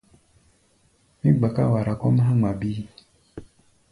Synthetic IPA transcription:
mi˦ɡ͡ba˨ka̰˦wa˨ɾa˨kɔ˦m˦ɦã˦ŋ͡ma˨bi˦

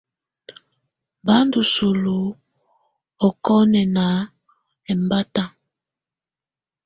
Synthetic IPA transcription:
ba˦ndu˨su˨lu˨ | o˨kɔ˦nɛ˨na˨˦ | ɛ˨mba˦ta˦

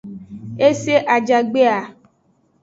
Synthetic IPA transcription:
e˦se˦ʔa˨d͡ʒa˨ɡ͡be˦a˨

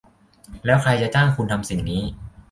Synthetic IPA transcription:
lɛː˦˥wkʰɾa˧jt͡ɕa˨˩t͡ɕaː˥˩ŋkʰu˧nt̪ʰa˧msi˨˩ŋniː˦˥

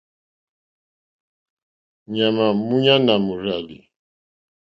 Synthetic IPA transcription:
ɲa˨ma˨mu˦ɲa˦na˨mu˨ɾa˨lḭ˨

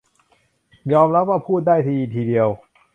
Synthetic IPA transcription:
jɔː˧mɾa˦˥p̚waː˥˩pʰuː˥˩t̪̚daː˥˩jt̪ʰiː˧i˨˩t̪ʰiː˧di˧əw

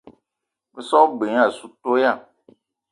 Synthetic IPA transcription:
be˨sɔ˦ɡ͡be˨ɲ˦a˨su˨to˦ja˦˨

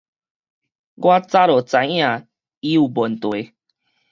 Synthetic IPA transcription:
ɡwa˦t͡sa˦ɾo˨t͡sã˨˦jã˨ | i˦u˨bo˨nt̪we˨˦

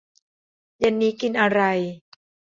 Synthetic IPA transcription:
ja˧nːiː˦˥ki˧nʔa˧ɾa˧j

